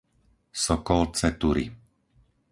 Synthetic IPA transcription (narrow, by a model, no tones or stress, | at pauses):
sɔkɔlt͡sɛt̪uɾḭ